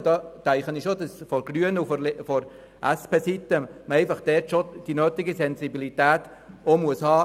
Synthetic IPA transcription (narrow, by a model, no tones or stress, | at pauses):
d̥ɑːt͡sæɪχəniʃodɑsfɔɾɡ̥ryənuffɔɾ | ʔæspʰeːsit̪ːəməɛɪfɑχd̥̪ɛɾtʃod̥inøːt̪iɡisɛnsibilit̪æːtomuəshɑː